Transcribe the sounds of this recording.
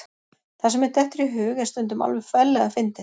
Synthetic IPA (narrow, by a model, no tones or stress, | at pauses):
θasɛmɛɾt̪ʰɛht̪ɾiɦʏːɣɛ̥st̪ʏnt̪ʏma̰lvɛfɛlːɛɣafɪnt̪ɪ